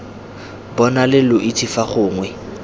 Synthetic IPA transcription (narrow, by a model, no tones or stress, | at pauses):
bɔnalɪlʊʔitʰifaχʊːŋwɛ